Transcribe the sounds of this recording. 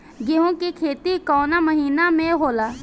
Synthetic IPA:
ɡɪɦõkikʰeːt̪ikɔːnaməɦiːnamẽɦoːlaː

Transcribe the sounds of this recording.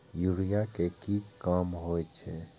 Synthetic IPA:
juɾijakekikaːmɦojt͡ʃʰɛ

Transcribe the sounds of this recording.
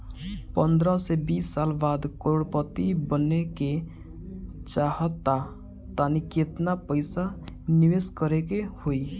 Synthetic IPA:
pənd̪ɾəsebisːalbad̪kəɾoɽpət̪ibənːeke | t͡ʃaɦət̪ːa | t̪aniket̪napəɪsaniweskəɾekehoi

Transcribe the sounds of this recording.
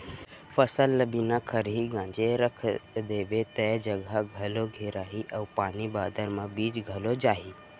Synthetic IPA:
fəsəlːəbinakʰəɾɦiɡãːnd͡ʒeɾəkʰd̪eːʋet̪ɛd͡ʒəɡaɡʱɐloɡʱeːɾaːɦiʔɐupaːnibaːd̪ʱəɾmãbiːt͡ʃɡʱəlod͡ʒaːɦiː

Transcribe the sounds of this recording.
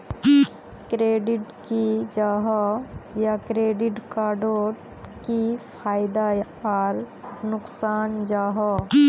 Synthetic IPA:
kɾeːɖɪʈkid͡ʒaːɦɔjakɾeːɖɪʈkaːɖoːɾ | kipʰaːjɪd̪a | ɔːɾ | nʊksaːnd͡ʒaːɦɔ

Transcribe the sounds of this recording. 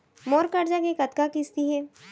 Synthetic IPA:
moːɾkɐɾd͡ʒakekɐt̪kakist̪iɦɛː

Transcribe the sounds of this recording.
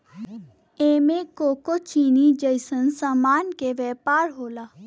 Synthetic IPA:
eːmẽkoːkot͡ʃiːnid͡ʒəjsənsamaːnkeʋɛpaːɾɦoːlaː

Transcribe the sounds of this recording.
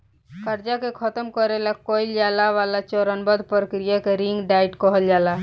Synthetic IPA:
kəɾd͡ʒakekʰət̪əmkəɾelakoild͡ʒaːlaʋalat͡ʃɔɾənbəd̪pəɾəkɾijakeɾiŋɡɖaɪʈkɔɦəld͡ʒaːla

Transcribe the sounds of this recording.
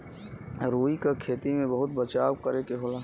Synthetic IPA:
ɾoːikakʰeːt̪imẽbəɦʊt̪̚bət͡ʃaːwkəɾekeɦoːlaː

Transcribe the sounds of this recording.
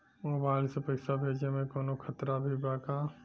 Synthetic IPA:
mobaɪlsepəɪsabʱeːd͡ʒemẽkoːnokʰət̪ɾabʱibaka

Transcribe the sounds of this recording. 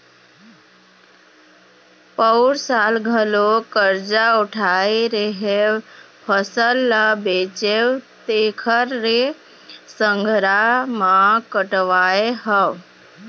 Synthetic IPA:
pəwɾsaːlɡʱəlokəɾd͡ʒaʊʈʰaiɾəɦepʰəsəlːabeːt͡ʃewt̪eːkʰəɾːe | səŋɡʱɾamãkəʈʋaːeɦəʋ

